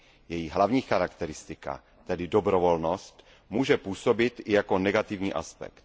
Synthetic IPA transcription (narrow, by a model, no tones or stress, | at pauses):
jɛjiɦlavɲiːxaɾakt̪ɛɾɪst̪ɪka̰ | t̪ɛdɪdobɾovolnost̪ | muːʒɛpuːsobɪt̪ɪjako̞nɛɡat̪ɪvɲiːʔa̰spɛ̰kt̪